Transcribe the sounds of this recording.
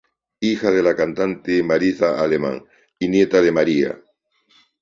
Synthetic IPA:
ixað̞e̞lakant̪ant̪emaɾiθaalemã̰ŋ | injet̪aðe̞maɾia̰

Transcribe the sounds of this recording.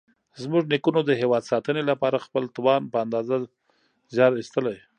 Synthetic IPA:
zmuʒnikunod̪əɦewɑd̪sɑt̪ənelapɑɾaxpəlt̪wɑnpəand̪ɑza | zjɑɾist̪əlaj

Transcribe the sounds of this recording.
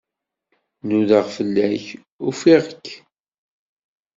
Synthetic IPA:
nuðəʁfəlːæç | ufiʁəkː

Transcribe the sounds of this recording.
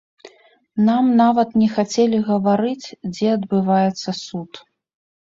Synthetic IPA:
namnavɐt̪nʲɛxat͡sʲelʲiɣɐvaɾɨt͡sʲd͡zʲɛɐd̪bɨvajɛt̪sːɐsut̪

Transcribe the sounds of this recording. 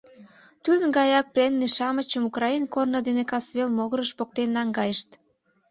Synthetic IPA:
t̪ud̪ənɡɑjɑk̚plenːeʃɑmət͡ɕəmukrɑinkornəd̪enekɑsβelmoɣəɾəʃpok̚t̪enːɑŋɡɑjəʃt̪

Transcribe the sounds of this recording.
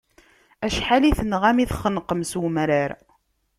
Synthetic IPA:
æʃħaliθənʁæmiθχənqəmsmɾaɾ

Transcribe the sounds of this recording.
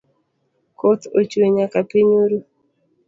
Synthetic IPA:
kot̪ot͡ʃweɲakapiɲoɾu

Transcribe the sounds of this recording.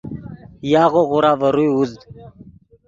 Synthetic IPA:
jaːɣoɣʊɾaːvəɾujuzd̪

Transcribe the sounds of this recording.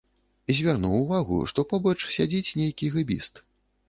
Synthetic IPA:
izʲvʲarnuwvaɣṵʂt̪ɔpɔbɐt͡ʂsʲad͡zʲit͡sʲnʲejkʲiɣɨbʲḭst̪

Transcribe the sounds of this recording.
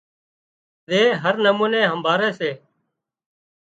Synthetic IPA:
ɗ̪eːɦəɾnəmuːneːɦəmbʱaːɾeːseː

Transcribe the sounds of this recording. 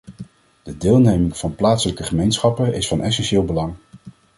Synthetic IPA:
d̥ədɪːlˠnejmɪŋv̥ɑnplaːtsələkəχəmejnsχɑpənɪsfɑnʔɛsɛnʃɪːlˠbəlɑŋ

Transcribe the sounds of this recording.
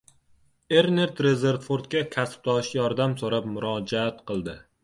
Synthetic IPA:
e̞ɾneɾt̪ɾe̞ze̞ɾt̪foɾt̪̚kʲakʲʰasp̚t̪ʰɒʃjɒɾd̪amsoɾapmʊɾɒd͡ʒaat̪qʰɨlˠd̪ɪ

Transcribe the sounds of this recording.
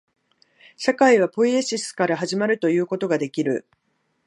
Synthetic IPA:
ɕakaiβ̞apo̞iɕisɨ̥kaɾaɦaʑimaɾɯ̟t̪o̞jɯ̟ːko̞t̪o̞ɡad̪e̞kʲiɾɯ̟̰

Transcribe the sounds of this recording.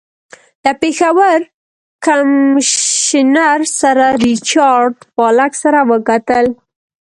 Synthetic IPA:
d̪̥əpexawəɾ | kam | ɪnaɾsaɾaɾit͡ʃɑɾɖpɑlaksaɾawəkat̪əl

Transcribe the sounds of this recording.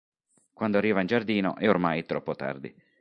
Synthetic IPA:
kwand̪oarːiːvaind͡ʒard̪iːno̰ʔɛormajt̪ɾɔpːot̪a̰rd̪ḭ

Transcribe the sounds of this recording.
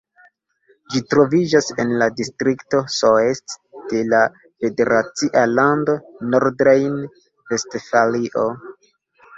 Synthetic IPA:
d͡ʒitɾo̞vid͡ʒase̞nladistɾikto̞soestd̥e̞la | fe̞de̞ɾat͡siʔalando̞noɾdɾejn | ve̞stfaliʔo

